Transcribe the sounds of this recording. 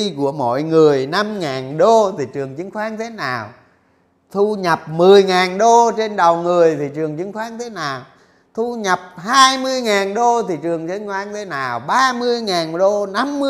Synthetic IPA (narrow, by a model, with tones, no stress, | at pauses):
ku˧˩əmɔ̰˧˨jŋɨ˨˩əjna˧mŋaː˨˩nɗo˧t̪ʰi˨˩t͡ɕɨ˨˩əŋt͡ɕɨ˨˦ŋxwaː˨˦˥ɲi˧t̪ʰe˨˦naː˨˩w | t̪ʰu˧ɲə˨˩p̚mɨ˨˩əjŋaː˨˩nɗo˧t͡ɕe˧nɗə˨˩wŋɨ˨˩əjt̪ʰi˨˩t͡ɕɨ˨˩əŋt͡ɕɨ˨˦ŋ̟xwaː˦˥ɲi˧t̪ʰe˨˦naː˨˩w | t̪ʰu˧ɲə˨˩p̚haː˧jmɨ˧əjŋaː˨˩nɗo˧t̪ʰi˨˩t͡ɕɨ˨˩əŋt͡ɕɨ˧˦ŋxwaː˧˥ɲi˧t̪ʰe˨˦naː˨˩wɓaː˧mɨ˧əjŋaː˨˩nɗo˧na˧mːɨ˧